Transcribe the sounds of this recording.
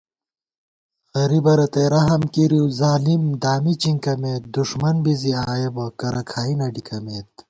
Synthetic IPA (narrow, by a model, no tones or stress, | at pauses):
xɐɾibɐɾɐt̪eɾɐɦɐmkiɾiwzaːlimd̪aːmit͡ɕiŋkɐmeːt̪̚d̪uʂmɐnbiziaːjebɐkɐɾɐkʰaːinɐɖikʰɐmeːt̪̚